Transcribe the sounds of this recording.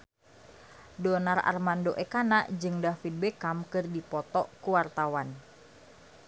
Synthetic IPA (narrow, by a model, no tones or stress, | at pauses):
dɔnara̰rmandoʔɛkanaʔd͡ʒɨŋdafid̚bekamkɨrdipɔt̪ɔʔkuwart̪awan